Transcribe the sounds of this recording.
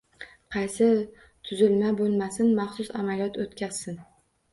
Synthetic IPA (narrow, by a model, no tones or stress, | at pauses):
qʰɑjsɪ | t̪ʰʊzɪlmabolˠmasɪnmɑχsʊsamalijɒt̪ʰot̪kʲaz̥ːɪn